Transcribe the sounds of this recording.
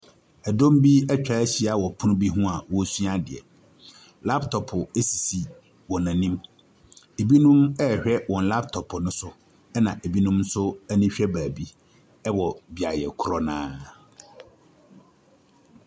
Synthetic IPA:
ɛ˨dõ˦m˦bi˦ɛ˦t͡ɕᶣa˨˦ɕi˨a˨wɔ˨pʰʊ˦nʊ̃˦bi˦ɦũ˦a˨wɔ˦si˦a˦dɪ˨ɛ̰˨ | la˦ptʰɔ˨pʰʊ˨e˦si˨si˨ | wɔ̃˨nã˨nĩ˦m | e˨bi˦nũ˦mɛ˦˨hᶣɛ˦wɔ̃˨n˨la˦p̚tʰɔ˨pʰʊ˨nʊ̃˦sʊ˦ | ɛ˦nã˨ʔe˨bi˦nũ˦m˦sʊ˦æ˦nĩ˦ɕᶣɛ˦baː˨bi˦ | ɛ˦wɔ˨bi˨a˨jɛ̰˨kʰʊ˦ɾɔ˦nã̰ː˦

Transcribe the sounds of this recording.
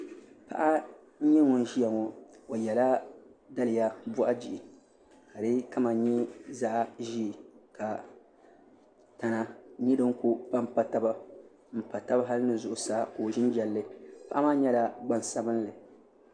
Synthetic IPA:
pa̰˨ʔa˦ | ɲɛ˦ŋɔ˨n˦ʒi˦ja˨ŋɔ˨o˨jɛ˨la˦da˦lɨ˨ja˦bɔ˦ʔa˦d͡ʒi˨ʔi˨ | ha˨lɨ˦ka˦ma˨ɲɛ˦za˦ʔa˦ʒi˦˨ka˨ | ta˨na˨ɲi˦dɨ˦ŋ˦kʊ˦pa˦m˦pa˨ta˦ba˦ | m̩˨pa˨ta˦ba˦ɦa˦lɨ˦nɨ˦zʊ˨ʔʊ˨saː˨˦˨koː˨ʒɪ˦n˦d͡ʒɛ˨lːɨ˦pa˦ʔa˦maː˦ɲɛ˦la˨ɡ͡ba˦n˨sa˨bɨ˦n˦lɨ˨

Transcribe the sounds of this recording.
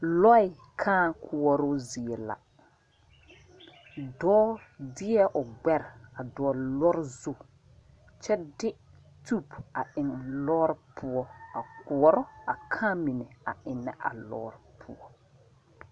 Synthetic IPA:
lɔ˦ɪ˨ | kʰãː˦kʰʊ˨ɔ˨ɾʊ˦zi˨ɛ˨la̰˨ | dɔː˦dɪ˦ɛ˦ʔʊ˨ɡ͡bɛ˦ɾa˨dɔ˨ɔ˨lɔ˦ɾzu˦ | t͡ʃɛ˦dɪ˦ | tu˦˨pa˨ɪ˨ŋ˨lɔː˦ɾpʰʊ˦ɔ˦a˨kʊ˨ɔ˨ɾɔ˦a˨kʰãː˦mi˨nɪ˨a̰˨ɪ˨nːɛ˦ʔa̰˨lɔ̰ː˦ɾpʰʊ̰˦ɔ˦

